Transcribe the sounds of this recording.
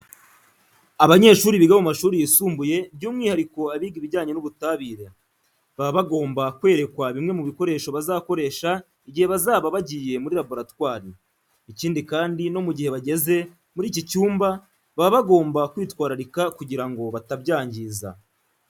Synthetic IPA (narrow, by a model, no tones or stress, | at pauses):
aβaɲe̞ːʃuːɾiβiɡamumaʃuːɾijisuːmbuje̞bɟuːmŋiːhaɾiko̞aβiːɡiβiɟaːɲe̞nuβutaːβiːɾa | βaββaɡo̞ːmbakwe̞ːɾe̞kwaβimŋe̞muβiko̞ɾe̞ːʃo̞βazaːko̞ɾe̞ːʃa | iɟihe̞βazaːβaβaɟiːje̞muɾiɾabo̞ɾatwaːɾi | iciːndikaːndino̞muɟihe̞βaɟe̞ze̞ | muɾiːcicuːmba | βaβaβaɡo̞ːmbakwiːtwaːɾaɾikakuɟiɾaŋɡo̞βatabɟaːɲɟiːza̰